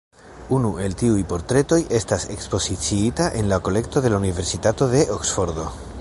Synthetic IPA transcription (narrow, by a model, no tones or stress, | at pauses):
unuʔe̞ltiujpo̞ɾt̪ɾe̞to̞je̞stase̞kspo̞sit͡siitaʔenlako̞le̞k̚to̞ðe̞launive̞ɾsitato̞ðe̞ʔoksfo̞ɾdo̞